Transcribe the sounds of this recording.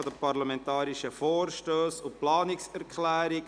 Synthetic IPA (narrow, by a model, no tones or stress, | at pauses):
ɔd̥əpaɾlamɛntɑːɾiʃəfoːɾʃtøːsʊplɑːnɪksɛɾkʰlæːɾɪ